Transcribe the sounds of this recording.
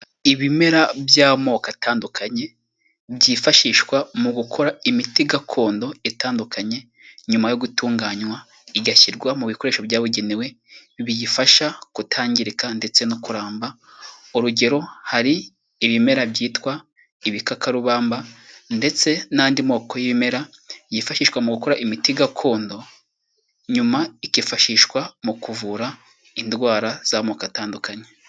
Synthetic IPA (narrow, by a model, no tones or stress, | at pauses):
iβime̞ɾabjaːmo̞ːkataːndukʰaɲe̞ | bjiːfaʃiːʃwamuɡukʰo̞ɾaimitiɡakʰo̞ːndo̞etaːndukʰaɲe̞ | ɲumajoɡutuːŋɡaːɲwa | iɡaçiɾɡwamuβiko̞ɾe̞ːʃoβjaːβuɟe̞niwe̞ | βijifaʃakutʰaːɲɟiɾikande̞t͡se̞nokuɾaːmba | uɾuɟe̞ɾo̞haɾiː | βime̞ɾabɟiːtwa | iβikakaɾuβaːmbande̞t͡se̞naːndimo̞ːko̞jiβime̞ɾa | jifaʃiːʃwamuɡuko̞ɾaʔimitiɡakʰo̞ːndo̞ | ɲumaikifaʃiʃkwamukuvuɾa | indwaːɾaz̥amoːkataːndukaɲe̥